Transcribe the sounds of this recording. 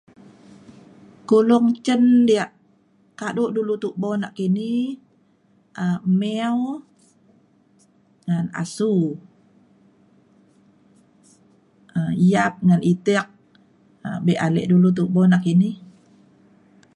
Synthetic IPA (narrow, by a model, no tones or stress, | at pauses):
kulʊŋt͡ʃəndiaʔ | kaduʔdulut̪uʔbɔnaʔkini | ʔəmɛw | ŋana̰su | əijap̚ŋanʔit̪ɛk̚ | əbɛʔalɛ̰ʔdulut̪̬uʔbɔnaʔkini